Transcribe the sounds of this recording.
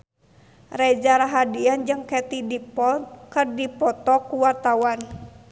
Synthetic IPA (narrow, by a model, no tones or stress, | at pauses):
rɛd͡ʒaɾaɦadiand͡ʒɨŋkɛt̪idipɔnkɨrdipɔt̪ɔkuwart̪awan